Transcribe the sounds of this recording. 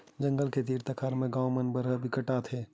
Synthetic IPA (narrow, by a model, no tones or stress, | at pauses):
d͡ʒə̃ŋɡəlket̪iːɾt̪əkʰaːɾmẽɡãːwmənbəɾəbʱikəʈaːt̪ʰɦeː